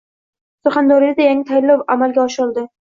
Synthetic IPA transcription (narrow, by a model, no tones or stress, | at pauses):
sʊχand̪ɒɾijad̪ajaŋʲɪt̪ʰajɪlːɒwamalɡʲaɒʃɪɒlˠd̪ɪ